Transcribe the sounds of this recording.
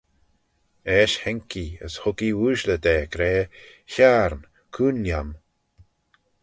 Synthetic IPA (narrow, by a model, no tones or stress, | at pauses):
ɛʃhɛŋkiə̰shʊɡiwuːʃləd̪eːkɾeːçaːɾn | kʰuːnjam